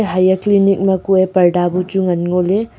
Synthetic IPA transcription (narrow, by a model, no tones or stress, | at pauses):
ɦajɐklinik̚mɐkuepɐɾɖabud͡ʒuŋɐnŋole